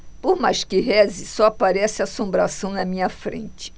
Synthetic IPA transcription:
poɾmajʃkɪɦɛzɪsɔapaɾɛsɪasõmbɾasɐ̃w̃nɐmĩɲɐfɾḛ̃nt͡ʃɪ̥

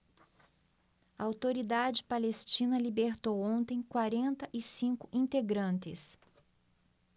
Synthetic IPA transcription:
ɐawt̪oɾid̪ad͡ʒɪpalest͡ʃĩnɐlibeɾt̪owõnt̪ẽj̃kwaɾẽnt̪ɐʔɪsĩŋkʊʔĩnt̪eɡɾɐ̃nt̪ɪ̰s

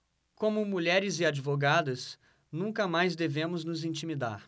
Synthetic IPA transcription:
kõmʊmuʎɛɾɪzɪad͡ʒivoɡad̪ɐs | nũŋkɐmajzd̪evẽmʊznʊzĩnt͡ʃimid̪a̰ɾ

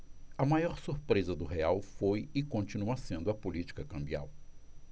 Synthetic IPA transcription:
ɐmajɔɾsuɾpɾezɐd̪ʊɦeawfojɪkõnt͡ʃinuɐsẽnd̪ʊɐpulit͡ʃi̥kɐkɐ̃mbia̰w

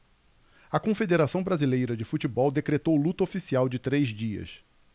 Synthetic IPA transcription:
ɐkõfed̪eɾasɐ̃w̃bɾazilejɾɐd͡ʒɪfut͡ʃibɔwd̪ekɾet̪owlut̪ɐofisiawd͡ʒɪt̪ɾezd͡ʒiɐ̰s

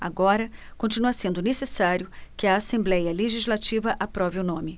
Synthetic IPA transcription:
a̰ɡɔɾɐkõnt͡ʃinuɐsẽnd̪ʊnesesaɾjʊkɪɐːsẽmblɛjɐleʒizlat͡ʃivɐʔapɾɔvɪʊnõmɪ

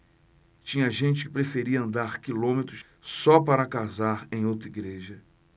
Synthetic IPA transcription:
t͡ʃĩɲɐʒẽt͡ʃɪ̥kɪ̥pɾefeɾiɐɐ̃nd̪aɾkilõmet̪ɾʊs | sɔpaɾɐkazaɾẽj̃owt̪ɾiɡɾeʒɐ

